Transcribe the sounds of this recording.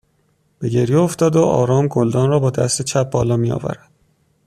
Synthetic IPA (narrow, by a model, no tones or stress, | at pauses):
b̥e̞ɟe̞ɾjeoft̪ɒːd̪oʔɒ̰ːɾɒːmɡold̪ɒːnɾɒːbɒːd̪æ̰st̪et͡ʃʰæp̚bɒːlɒːmiɒ̰ːvæ̰ɾæd̪̥